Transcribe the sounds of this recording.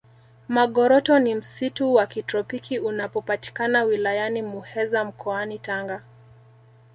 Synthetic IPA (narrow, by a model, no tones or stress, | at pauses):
maɠɔɾɔtɔnim̩situwakitɾɔpikiunapɔpati̥kanawilajanimuhɛzam̩kʰɔanitaŋɡa